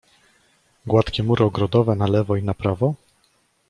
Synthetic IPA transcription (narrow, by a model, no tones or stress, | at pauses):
ɡwat̪kʲɛmuɾʔɔɡɾɔd̪ɔvɛnalɛvɔinapɾavɔ